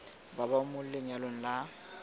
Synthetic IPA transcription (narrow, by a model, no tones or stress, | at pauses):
babamʊllɪɲalon̩la